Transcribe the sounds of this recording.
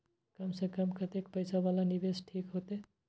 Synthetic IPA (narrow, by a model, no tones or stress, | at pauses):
kəmsẽkəmkət̪ekpəjsabalanibesʈʰikɦot̪e